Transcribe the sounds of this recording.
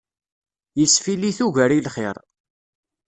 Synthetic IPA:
jəsfiliθuʝəɾilχɪɾˤ

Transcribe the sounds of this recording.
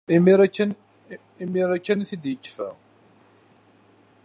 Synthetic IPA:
imiɾæːn | imiɾækːənθid̪jəkːfæ̰

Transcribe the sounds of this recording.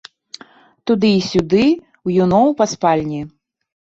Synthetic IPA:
t̪ud̪ɨːsʲud̪ɨ | wjunɔwpaspalʲnʲi

